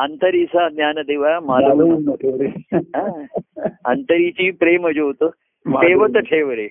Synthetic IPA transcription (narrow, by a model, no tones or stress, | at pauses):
ɐnt̪ɐɾiːsad̪njaːnɐd̪eːʋaamaːɾɐ | ɦa | ɐ̰nt̪əɾiːt͡ɕiːpɾeːməd͡ʒoɦot̪oː | meːʋɐt̪ɐʈʰeːʋəɾeː